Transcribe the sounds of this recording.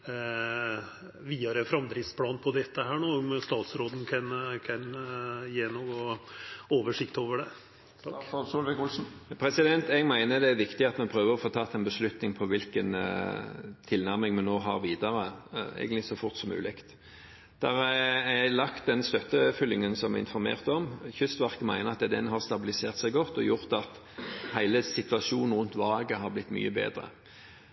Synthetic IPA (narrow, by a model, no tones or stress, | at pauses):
ʋiːɑɾəfɾɑmd̪ɾɪspʰlɑːnpʰɔd̪ɛt̪ːəhæːɳoːmst̪ɑːt̪sɾoːd̪n̩kʰɑnkʰɑnjeːnoːɡo | oːʋəʂɪkt̪oːʋəɖɛ | suːlʋɛkʊlsn̩pʰʁɛsɪd̪ɛnt̪ɛɡmæɪnəd̪ɛæɾʋɪkt̪ɪɑt̪mɛnpʰʁøːʋəʁɔfoːt̪ʰɑːt̪ʰːɛnbəslʉt̪nɪŋpʰɔʋɪlkən | t̪ʰɪlnæʁmɪŋmɛnːoːɦɑ̰ʁʋiːd̪ɑɾəæ̰ɪɡənɪsɔfʊʁt̪sɔmʉ̰ːlɪkt̪ | d̪̥æʁɛlɑkt̪̚d̪ɛnst̪œt̪ːəfʏlːɪŋənsɔmɛ̰ɪ̰nfɔɾmḛːʁt̪ɔmçʏst̪ʋɑʁkəmæɪnəʁɑt̪d̪ɛd̪ɛnɦɑʁst̪ɑbɪlɪseːʁt̪sæɪɡɔt̪ːɔjʊʁt̪ɑt̪ | hæɪləsɪt̪ʉɑsuːnn̩ʁʉnt̪ʋɑːɡəɦɑɾblɪt̪ːmy̰ːəbḛːd̪ʁə̰